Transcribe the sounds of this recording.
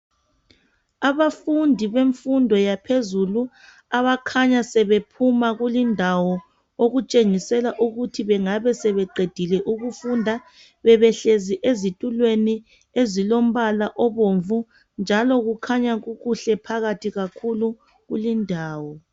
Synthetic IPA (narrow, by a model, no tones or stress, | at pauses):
aβafundʱiβeɱfundʱɔjapʰezulu | aβakʰaɲasɛβepʰumaɣulindʱawɔ | oɣut͡ʃʼeŋisɛlaʔuɣutʰiβɛŋaβɛsɛβɛǃʱed̥ʱilɛʔuɣufundʱa | βɛβɛɬeziʔezitʼulweni | ezilom̩βalaʔɔβoɱvu | nd͡ʒʱalɔɣukʰaɲaɣuɣuɬɛpʰaɣatʰiɣakʰulu | ɣulindʱaːwɔ